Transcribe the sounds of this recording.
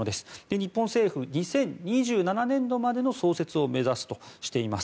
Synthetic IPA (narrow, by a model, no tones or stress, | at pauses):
od̪e̞sɨ̥d̪e̞ɲ̟ipːõse̞ːɸɯ̟ɲ̟isẽ̞ɲ̟ːiʑɨːnananẽ̞nd̪o̞mad̪e̞no̞so̞ːse̞t͡sɨo̞me̞zasɨ̥t̪o̞ɕi̥t̪e̞imas